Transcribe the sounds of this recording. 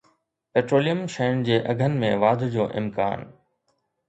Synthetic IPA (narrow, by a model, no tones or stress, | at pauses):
peːʈɾoːlijəmʃeːnd͡ʑeːʔɐɡʱənɪ̆mẽʋaːd̪ʱd͡ʑoːʔɪ̰mka̰ːn